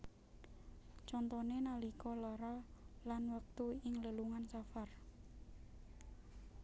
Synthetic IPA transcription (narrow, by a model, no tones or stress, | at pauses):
t͡ʃɔnt̪ɔnenalikɔlɔɾɔlanwək̚t̪uɪŋləluŋansafar